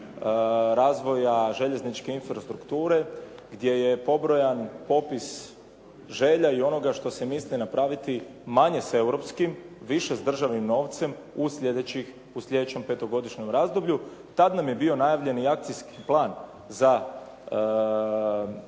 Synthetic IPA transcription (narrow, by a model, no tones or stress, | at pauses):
ɾaːzʋo̞jaʒe̞ʎe̞znit͡ʃke̞infɾast̪ɾukt̪uːɾe̞ | ɡd̪je̞je̞po̞bɾo̞janpo̞pis | ʒeʎaio̞no̞ɡaʃt̪o̞semislinapɾaʋit̪i | maɲe̞se̞wɾo̞pskimʋiʃe̞zd̪r̩ʒaʋnimno̞ːʋt̪se̞m | usʎʲed̪et͡ɕix | uslʎʲe̞d̪et͡ɕe̞mpe̞t̪o̞ɡo̞d̪iʃɲo̞mɾazd̪o̞bʎu | t̪ad̪namje̞bio̞najaʋʎe̞niak̚t̪sijskiplˠaːn | za